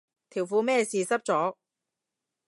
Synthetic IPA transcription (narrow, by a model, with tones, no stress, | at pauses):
t̪ʰiː˨˩wfuː˨˧mɛː˥˧siː˨sɐ˥p̚t͡sɔː˨˥